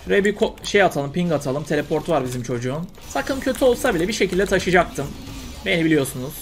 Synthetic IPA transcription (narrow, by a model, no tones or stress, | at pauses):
bøɾebikʰoʃe̞jat̪ʰalˠɯmpiŋɡat̪ʰalˠɯmt̪ʰe̞lʲepʰo̞ɾt̪ʰuvaɾbizimt͡ʃʰo̞d͡ʒuːn | sakʰɯncʰø̞t̪ʰyo̞lˠsabilʲɛbiʃe̞cʰilʲd̪ɛt̪ʰaʃɯd͡ʒak̚t̪ʰɯm | bejnibilʲijo̞sunuz̥